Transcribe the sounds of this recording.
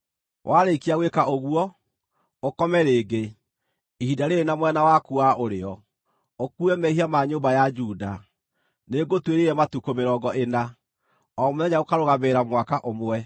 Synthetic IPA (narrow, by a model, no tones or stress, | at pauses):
wʔaɾekiaɣwekaoɣuɔ | okɔmɛɾeːɡe | ihidaɾeenamwɛnawakuaʔoɾeɔ | okuɛmɛiɦiamaɲoːmbajad͡ʒuːda | neɡotweɾeɾɛmatukomeɾɔːɡɔʔena | ɔːmonɛɲaokaɾoɣaβeɾamwakaʔomoɛ